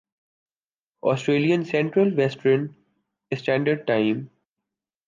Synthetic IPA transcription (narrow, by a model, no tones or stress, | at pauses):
ɔːsʈɾeːliə̃nsɛ̃ɳʈɾəlʋɛsʈɾə̃n | ɪsʈæ̃ːɳɖəɾɖ̚ʈãɪ̃m